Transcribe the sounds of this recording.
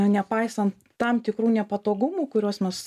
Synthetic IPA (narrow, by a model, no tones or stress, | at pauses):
nʲɛpɐɪsɐnt̪ː | ɐmt̪ʲɪkɾuːnʲɛpɐt̪oːɡʊmuːkʊɾʲuɔsmʲɛs